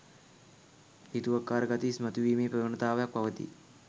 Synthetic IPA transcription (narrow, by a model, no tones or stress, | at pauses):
hit̪uʋakːaːɾəɡat̪ismət̪uʋiːmeːpɾəʋənət̪aːʋɐjak̚paʋət̪ḭ